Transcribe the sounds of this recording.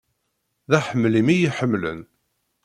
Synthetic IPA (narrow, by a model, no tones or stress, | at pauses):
ðæħəmːlimijiħəmːlə̰n